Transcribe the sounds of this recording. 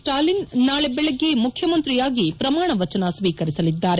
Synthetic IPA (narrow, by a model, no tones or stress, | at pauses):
sʈaːlinnaːɭebɛɭeɡːemukʰjɐmɐnt̪ɾijaːɡipɾɐmaːɳɐʋɐt͡ʃɐnɐsʋiːkɐɾisɐlid̪ːaːɾe